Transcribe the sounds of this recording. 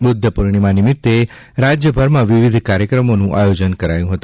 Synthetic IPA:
bʊd̪ʱːəpuɾɳ̃imãnɪmɪt̪ːe | ɾad͡ʒjəbʱəɾmãʋiʋid̪ʱkaɾjəkɾəmonũʔajod͡ʒənkəɾajũɦət̪ũ

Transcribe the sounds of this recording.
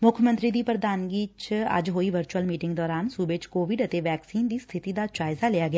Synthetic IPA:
mʊkʰmə̃nt̪ɾiːd̪iːpɾəd̪aːnɡiːt͡ʃə̰d͡ʒɦoːiːʋəɾt͡ʃuəlmiːʈɪŋɡd̪ɔːɾaːnsuːbeːt͡ʃkoːʋɪɖət̪eːʋɛːksiːnd̪iːst̪ʰɪt̪iːd̪aːt͡ʃaːɪzaːlɪjaːɡɪaː

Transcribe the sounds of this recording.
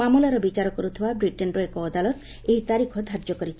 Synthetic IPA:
amulɔɾɔbit͡ʃaɾɔkɔɾut̪ʰibabɾiʈenɾɔekɔːd̪alɔt̪ | eɦit̪aɾikʰɔd̪ʱaɾd͡ʒɔkɔɾit͡ʃʰi

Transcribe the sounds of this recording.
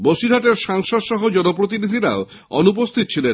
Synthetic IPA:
boʃiɾɦaʈeɾʃaŋʃod̪ʃɔɦod͡ʑɔnop̬ɾot̪̬inid̪ʱiɾao | ɔ̰nup̬ost̪ʰit̪ot͡ɕʰilen

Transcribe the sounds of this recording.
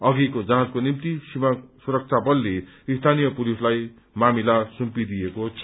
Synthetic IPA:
ʌɡikod͡zaɦãt͡skonimt̪isimasuɾʌk̚t͡sʰabʌlːeist̪ʰanijʌpulislaj | mamilasumpid̪ijekot͡sʰ

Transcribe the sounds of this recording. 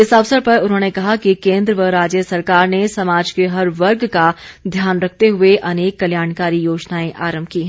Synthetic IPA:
ɪsɐʋsəɾpɐɾʊnɦõnekɐɦakikẽːnd̪ɾəʋəɾaːd͡ʒjəsɐɾkaːɾnesɐmaːd͡ʒkeɦɐɾʋɐɾɡkad̪ʱjaːnɾɐk̚ʰt̪eɦʊeʔɐneːkːɐljaːnkaːɾijoːd͡ʒnaːẽʔaːɾə̃mbʱkiɦɛ̃ː

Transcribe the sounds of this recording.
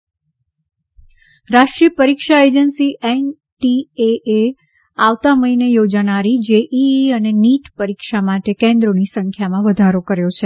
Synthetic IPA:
ɾaʂʈɾiəpəɾikʃaed͡ʒənsiʔen | ʈieʔe | aʋt̪aməinejod͡ʒanaɾid͡ʒeʔiəneniʈpəɾikʃamaʈekẽnd̪ɾonisə̃ŋkʰjamãʋəd̪ʱaɾokəɾjot͡ʃʰe

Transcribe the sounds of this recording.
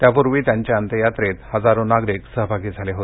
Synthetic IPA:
t̪japuɾʋiːt̪jaɲt͡ɕjaənt̪əjat̪ɾet̪həd͡zaɾõnaɡɾiksəɦbʱaɡiːd͡zʱaleɦot̪

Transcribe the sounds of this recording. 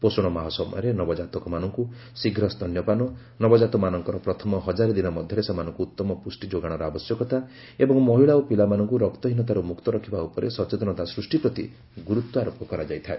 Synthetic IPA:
posɔɽ̃ɔmaɦɔsɔmɔ̰jɔɾenɔbɔd͡ʒat̪ɔkɔmanɔŋku | siɡʱɾɔst̪ʰɔnjɔpanɔ | nɔbɔd͡ʒat̪ɔmanɔŋkɔɾɔpɾɔt̪ʰɔmɔɦɔd͡ʒaɾid̪inɔmɔd̪ʱjɔɾesamanɔŋkuut̪ːɔmɔpusʈid͡ʒoɡaɽ̃ɔɾɔabɔsjɔkɔt̪a | ebɔŋmɔɦiɭaopilamanɔŋkuɾɔkt̪ɔɦinɔt̪aɾumukt̪ɔɾɔkʰibaupɔɾesɔt͡ʃet̪ɔnɔt̪asɾusʈipɾɔt̪ḭ | ɡuɾut̪wɔaɾopːɔkɔɾad͡ʒajt̪ʰae

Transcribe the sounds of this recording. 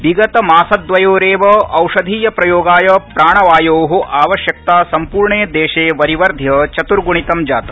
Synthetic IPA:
biɡɐt̪ɐmaːsɐd̪ʋɐjoːɾeːʋɐʔɐwʂɐd̪ʱiːjɐpɾɐjoːɡaːjɐpɾaːɳɐʋaːjoːɦoʔaːʋɐʃjɐk̚t̪aːsɐmpuːɾɳeːd̪eːʃeːʋɐɾiʋɐɾd̪ʱjɐt͡ʃɐt̪uɾɡuɳit̪ɐmd͡ʒaːt̪ɐ

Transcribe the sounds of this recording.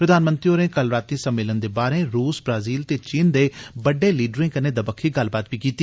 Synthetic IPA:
pɾəd̪aːnmə̃nt̪ɾioːɾẽːkəlɾaːt̪ːĩːsəmːeːlənd̪eːbaːɾẽːɾuːsbɾaːziːlt̪eːt͡ʃiːnd̪eːbəɖːeːliːɖɾɪ̃ːkəneːd̪əbəkʰːiːɡəlbaːt̪ʋiːkiːt̪iː

